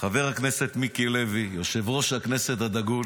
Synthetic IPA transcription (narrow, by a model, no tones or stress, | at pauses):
χave̞ʁhaknese̞t̪mikilevijo̞ʃe̞vʁo̞ʃhakne̞set̪had̪aɡul